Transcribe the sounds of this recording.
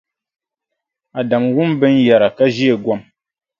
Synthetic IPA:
a˨da˨mwu˦m˦bɛ˦n̩˦ja˨ɾa˨ka˦ʒi˦e˨ɡwɔ˦m

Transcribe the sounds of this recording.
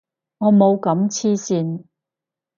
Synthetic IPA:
ŋɔː˨˧mo˨˧wkɐ˨˥mt͡sʰiː˥siː˧n

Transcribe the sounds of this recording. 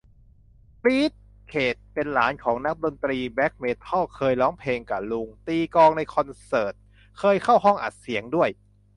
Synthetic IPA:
pɾiː˦˥t̪̚ | kʰeː˨˩t̪̚pe˧nlaː˩˦nkʰɔː˩˦ŋna˦˥k̚do˧nt̪ɾiː˧bɛ˦˥k̚meː˦˥t̪ʰːɔ˥˩kʰɤː˧jlɔː˦˥ŋpʰleː˧ŋka˨˩lu˧ŋt̪iː˧kɔː˧ŋna˧jkʰɔ˧nsɤː˨˩t̪̚ | kʰɤː˧jkʰa˥˩wɦɔ˥˩ŋʔa̰˨˩t̪̚si˩˦əŋdu˥˩əj

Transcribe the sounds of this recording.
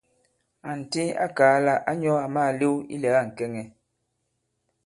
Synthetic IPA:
a˨n̩˨ti˦a̰˦kaː˨˦la˦˨ʔa˦ɲɔ˦a˨maː˦˨li˦wḭ˦lɛ˨˦a˦˨ŋ̩˨kɛ˦ŋɛ˨

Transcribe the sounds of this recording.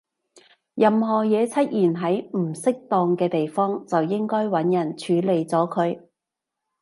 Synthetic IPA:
jɐ˨mɦɔː˨jɛː˨˧t͡sʰɐ˥t̚jiː˨˩nɦɐ˨˥jm̩˨˩sɪ˥k̚t̪ɔː˧ŋkɛː˧t̪e˨jfɔː˥ŋt͡sɐ˨wjɪ˥ŋkɔː˥jwɐ˨˥njɐ˨˩nt͡ʃʰyː˨˧le˨jt͡sɔː˨˥kʰɵ˨˧ɥ

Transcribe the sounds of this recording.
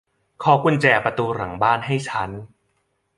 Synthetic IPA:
kʰɔː˨˧ku˧nt͡ɕɛː˨˩pɾa˧t̪uː˧ɾa˨˩˦ŋbaː˥˩nɦa˥˩jt͡ɕʰa˦˥n

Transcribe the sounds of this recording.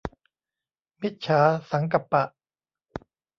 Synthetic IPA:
mi˦˥t̪̚t͡ɕʰaː˩˦sa˩˦ŋka˨˩pːa˨˩ʔ

